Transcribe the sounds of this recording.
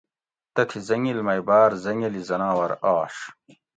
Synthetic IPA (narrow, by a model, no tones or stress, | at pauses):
t̪ɐk̪ʰizɐŋilmɐjbaːɾzɐŋilizɐnaːwɐɾaːʂ